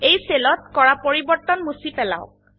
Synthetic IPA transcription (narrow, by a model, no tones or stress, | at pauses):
ejselɔtkɔɹapoɹibɔɹtɔnmusipɛla̰ʊ